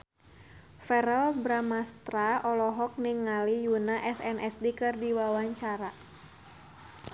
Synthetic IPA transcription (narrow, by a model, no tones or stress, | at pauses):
fɛɾɔlbɾamast̪ɾaɔlɔɦɔk̚niŋalijunaʔɛsɛnɛsdikɨrdiwawaɲt͡ʃaɾa